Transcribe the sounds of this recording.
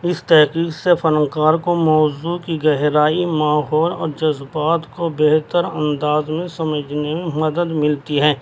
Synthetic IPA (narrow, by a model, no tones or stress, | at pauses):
ɪst̪ɛɦkiːksefɐɾə̃ŋkaːɾkomɔːzukiɡɛɦɾaːimaːɦɔːlɔ̰ːɾd͡ʒɐzbaːt̪kobeɦt̪əɾɐ̃nd̪aːzmẽsɐməd͡ʒʱnemẽmɐd̪əd̪mɪlt̪iɦɛː